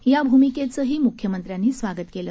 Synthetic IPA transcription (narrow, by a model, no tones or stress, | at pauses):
jabʱumiket͡səɦiːmukʰjəmənt̪ɾjanːiːsʋaɡət̪kelə